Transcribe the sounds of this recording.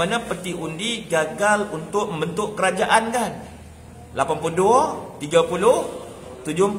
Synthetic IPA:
anapərt̪iundiɡaɡalunt̪ʊʔ̚məmbənt̪ʊʔkəɾad͡ʒaʔankan | lapanpulduat̪iɡapulʊh | t̪ud͡ʒʊ

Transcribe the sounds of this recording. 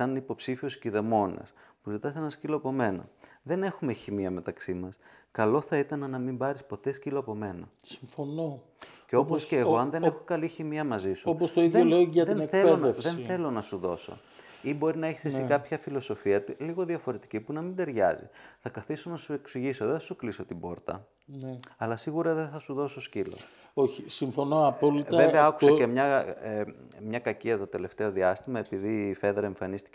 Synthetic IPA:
sɐnipo̞psifiosciðe̞mo̞nɐ̰s | puzit̪ɐseenɐsciloɐpo̞me̞nɐ̰ðe̞ne̞xume̞çimiɐme̞t̪ɐksimɐskɐlo̞θɐit̪ɐnɐnɐmimbɐɾispo̞t̪e̞sciloɐpo̞me̞nɐsi̥ɱfono | ceoposceːɣo̞ɐnðe̞ne̞xokɐliçimiɐmɐzisuopost̪oiðeoloʝɐtðneθeonefsðenθe̞lo̞nɐsuðo̞̰so̞̰ | ibo̞ɾinɐeçi̥sesikɐpçɐfilo̞so̞fiɐt̪uliɣo̞ðiɐfoɾet̪i̥cipunɐmind̪eɾʝɐ̰zḭθɐkɐθisonɐsue̞ksiʝiso̞ðeθɐsukliso̞t̪ibo̞̰ɾt̪ɐ̰ | nɐlɐsiɣuɾɐðeθɐsuðo̞soscilo̰ | oçisiɱfo̞noɐpolit̪ɐveveɐɐku̥secemɲɐ | mɲɐkɐciɐt̪o̞t̪e̞le̞ft̪e̞o̞ðiɐst̪imɐe̞piðife̞ðɾɐe̞ɱfɐnist̪i̥c

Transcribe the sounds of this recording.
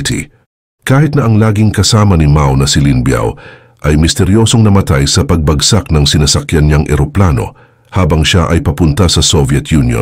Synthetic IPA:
t̪ḭ | kaːhɪt̪̚nɐʔɐŋlaːɡiŋkɐsaːmɐnɪmawnɐsɪlinbja̰w | ʔɐjmɪst̪ɛɾjo̞so̞ŋnɐmɐt̪ajsɐpɐɡ̚bɐɡsak̚nɐŋsɪnasɐkjɐnɲaŋʔɛ̰ɾoplaːno̞̰ | haːbɐŋʃaʔɐjpɐpʊnt̪ɐsɐsovjɛt̪junjo̰n

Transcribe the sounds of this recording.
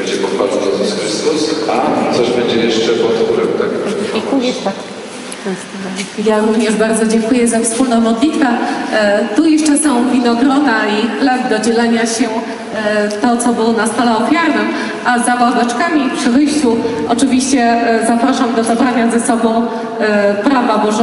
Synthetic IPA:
ɛd͡ʑɛpɔxaliɛzusxɾɘst̪usat̪ɔʐbɛɲd͡ʑɛjɛʂt͡ʂɛpɔt̪uɾɛmt̪ak̪ | jaɾuvɲɛʐbaɾd̪zɔd͡ʑɛŋkujɛzafspulnɔ̃w̃mɔd̪lʲit̪fɛ | t̪ujɛʂt͡ʂɛsɔ̃w̃vʲinɔɡɾɔnailɛvd̪ɔd͡ʑɛlɛɲaɕɛ | t̪ɔt̪sɔbɨwnast̪alɛɔfʲjaɾɨ | ʔazavawd̪ɛt͡ʂkamʲipʂɨvɘjɕt͡ɕuʔɔt͡ʂɘvʲiɕt͡ɕɛzapɾaʂamd̪ɔzabɾaɲazɛsɔbɔ̃w̃ | pɾavabɔʐ

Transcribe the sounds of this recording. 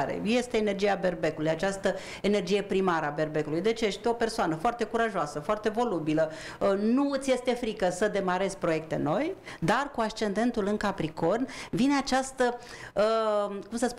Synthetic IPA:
ɾḛje̞st̪e̞ːnerd͡ʒijabe̞rbe̞kulujat͡ʃast̪ə | ene̞rd͡ʒije̞pɾimaɾəabe̞rbe̞kulujd̪e̞t͡ʃejeʃt̪ʲeo̞pe̞rsoanəfoart̪e̞kuɾaʒoasəfoart̪e̞vo̞lubilə | ənuɨt̪sʲjest̪e̞fɾikəsəd̪e̞maɾe̞zʲpɾo̞je̞k̚t̪e̞̰no̞jd̪arkuaʃt͡ʃe̞nd̪e̞nt̪ulɨŋkapɾiko̞nvine̞at͡ʃast̪əəkumsət̪s

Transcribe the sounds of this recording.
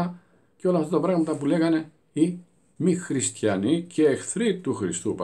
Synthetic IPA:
ɐ | ceo̞lɐːft̪ɐt̪ɐpɾɐɣmɐt̪ɐpule̞ɣɐne̞ | i | mixɾist̪çɐnice̞ːxθɾit̪uxɾist̪up

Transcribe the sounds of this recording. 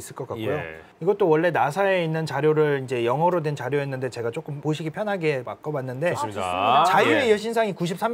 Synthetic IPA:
s͈ɯɭk͈ʌk͈akkujo | iɡʌt͈owʌɭːe̞nasʰae̞inːɯnt͡ɕaɾjoɾɯɭind͡ʑe̞jʌŋɦʌɾodwent͡ɕaɾjoɦe̞nːɯnde̞t͡ɕe̞ɡat͡ɕ͈ok͈ɯmpoɕʰiɡipʰjʌnɦaɡea̰k͈ʌbanːɯnde̞t͡ɕajuejʌɕʰinsʰaŋikuɕ̬ʰips͈am

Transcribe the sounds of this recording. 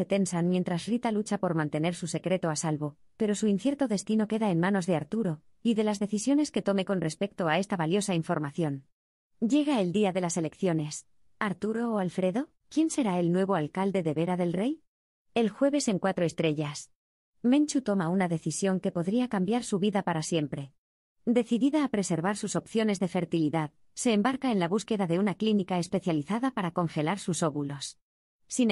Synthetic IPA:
se̞t̪e̞nsanmje̞nt̪ɾasrit̪alut͡ʃapo̞ɾmãnt̪e̞ne̞ɾsuse̞kɾe̞t̪o̞asalβo̞ | pe̞ɾo̞suinθje̞ɾt̪o̞ðe̞st̪ino̞ke̞ðaenmano̞zðe̞aɾt̪uɾo̞ | iðe̞lazðe̞θisjo̞ne̞ske̞t̪o̞me̞ko̞nre̞spe̞k̚t̪oae̞st̪aβaljo̞saiɱfo̞ɾmaθjo̞n | ɟ͡ʝe̞ɣ̞ae̞ld̪iaðe̞lase̞le̞kθjo̞ne̞s | aɾt̪uɾo̞ːalfɾe̞ðo̞ | kje̞nse̞ɾae̞lnwe̞β̞o̞alkald̪e̞ðe̞βe̞ɾaðe̞lre̞j | e̞lxwe̞β̞e̞se̞ŋkwat̪ɾo̞e̞st̪ɾe̞ʝas | mẽnt͡ʃut̪o̞maunaðe̞θisjo̞ŋke̞po̞ðɾiakambjaɾsuβiðapaɾasje̞mpɾe̞ | d̪e̞θiðiðaːpɾe̞se̞ɾβaɾsuso̞pθjo̞ne̞zðe̞fe̞ɾt̪iliðað | se̞ːmbaɾkaenlaβuske̞ðaðe̞unaklinikae̞spe̞θjaliθaðapaɾako̞ŋxe̞laɾsuso̞βulo̞s | sin

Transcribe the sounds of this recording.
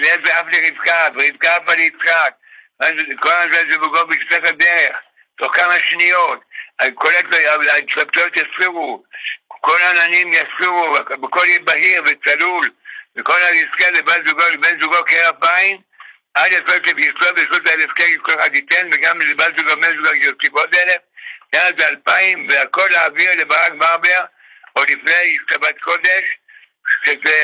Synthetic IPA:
lezeafleʁizkaveʁizkafalit͡sχak̚ | akolazezuvuɡobeisekadeʁeχ | toχkamaʃnijotadkoleteatapt̪oot̪jasiʁu | kolaːnanimjasiʁubekolibahiʁvet͡salulbeko̞laiskelebalzuɡolbenzuɡokeʁalpaim | ʔad̪afeteveisovesotelefkeikolxad̪it̪enveɡamlebalzuɡomenzuɡootibot̪elefjaabealpaimveako̞laːviʁlebaʁakbaʁbeʁ | olifneistabat̪ko̞d̪e̞ʃ | ʃeze

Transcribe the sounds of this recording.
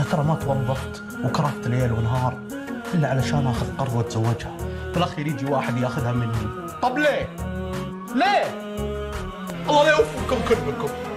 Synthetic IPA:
at̪ɑɾˤɑmat̪wɑðˤːɑft̪ | wkɑɾˤɑft̪ɪlʔeːlwɪnɦɑːɾˤ | ʔɪlːaʕalaʃaːnʔaːxʊd̪qɑɾˤwɪt̪z̥awːɪd͡ʒhḁt̪alaxːijɾiːd̪iwaːħɪd̪jaxʊðhamɪnːi | qɑbleː | leː | ʔɑlˤːɑːlewʊfɪlkʊmkʊlbəkʊm

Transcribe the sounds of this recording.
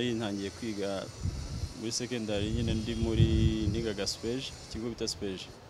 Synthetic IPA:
hin̥haːɲɟijekwiːɡa | muɾise̞kendaɾiɲinendimuɾiniɡaɡaspeʒciɡoβitaspeʒ

